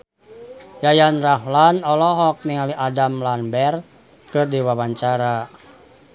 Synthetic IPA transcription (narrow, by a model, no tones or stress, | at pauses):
jajanraɦlanɔlɔɦɔk̚niŋaliʔadamlanbɛr | kɨrdiwawaɲt͡ʃaɾa